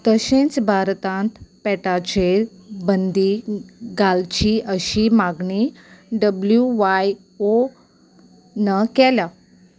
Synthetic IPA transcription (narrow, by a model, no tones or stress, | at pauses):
t̪əɕẽnt͡sbʱaɾt̪ãnt̪pɛʈat͡ɕe | bənd̪iɡalt͡ɕiəɕimaɡɳi | ɖəbljuʋaj | o | nəkɛla